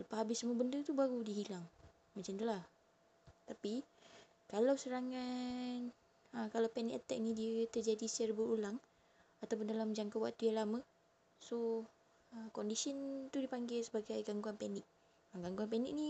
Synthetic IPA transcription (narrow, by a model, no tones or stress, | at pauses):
ləpaɦabɪsəmuəbəndət̪ubaɾudiɦilaŋ | mət͡ʃamt̪ulah | t̪api | kalawsəɾaŋan | əkalawpɛniʔt̪ɛ̰ʔ̚nidiət̪ərd͡ʒadisərbəɾulaŋ | at̪awp̬ʊndalamd͡ʒaŋkawa̰k̚t̪ujaŋlamə | so | əkɔndisənt̪udipaŋɡesəbaɡajɡaŋɡuanpanɪk̚ | əɡaŋɡuanpɛnɪk̚ni